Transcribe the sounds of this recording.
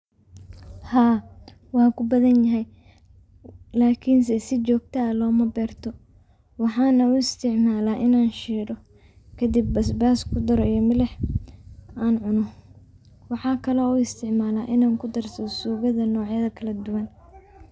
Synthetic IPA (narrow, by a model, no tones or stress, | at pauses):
haː | wɑːkʰʊbɐðɐnjɐɦɛj | laːkʰɪns̬ɛsɪt͡ʃɔːɡ̚t̪ʰɐlɔːmɐbɛːrt̪ʰɔ | wɑħɑːnɐʊɪst̪ʰɪʕmaːlaːʔɪnaːnʃiːɽɔ | kʰɐd̪ɪbːɐsbaːskʰʊd̪ɐɾɔijɔmɪlɛh | aːnʕʊnɔ | wɑħɑːkʰɐlɔuɪst̪ʰɪʕmaːlaːʔɪnaːŋkʰʊd̪ɐrsɐsuːɣɐðɐnɔːʕjɐðɐkʰɐlɐd̪ʊwɐn